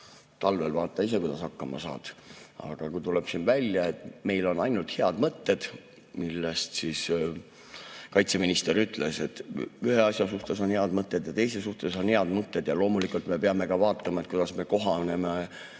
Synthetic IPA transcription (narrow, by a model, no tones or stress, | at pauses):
t̪ɑlve̞lvɑːt̪ˑːɑise̞kujd̪ɑ̰sɑkːɑmɑ̰sɑ̰ːd̪̥ɑ̰ɡ̥ɑkujt̪ule̞b̥sinvælʲjɑe̞t̪me̞jlo̞nɑjnult̪he̞ɑd̪̥mɤt̪ːe̞d̪̥ | milːest̪siːs | kɑjt̪se̞minist̪e̞ɾyt̪ˑle̞se̞t̪ːyhe̞ɑsʲjɑsuht̪e̞so̞nheɑd̪mɤt̪ˑːe̞d̪̥jɑt̪e̞jsesuht̪e̞so̞nhe̞ɑd̪mɤt̪ːe̞d̪̥jɑlo̞ːmulikult̪me̞peɑme̞kɑvɑːt̪ːˑɑmɑe̞t̪̚kujd̪̥ɑsme̞ko̞ɦɑne̞me